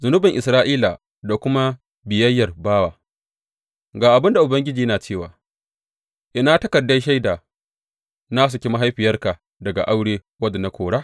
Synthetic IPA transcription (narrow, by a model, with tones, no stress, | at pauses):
zʊ˨nʊ˦bɪ˨ŋʔɪ˨sɾaː˦ʔiː˦la̰˨ | da˨kʷʊ˦ma˦ | bɪ˨jɐ˦jːɐ˨rbaː˦waː˨ | ɡaː˨ʔa˨bɪ˦nda˨ʔʊ˨bɐ˦ŋɡʲɪ˦d͡ʒiː˨jnaː˨t͡ʃeː˦˨waː˨ | ʔɪ˨˦na˦tɐ˦kɐ˨dːɐ˦ʃ̬a˦jdaː˨ | naː˦s̬u˨kʲi˦ma˦ɦa˦jɸɪ˨jɐ˦rka˨ | dɐ˨ɡa̰˨ʔa˦wɽeː˦ | wɐ˦dɐ˨na˦kʷoː˨ɽaː˦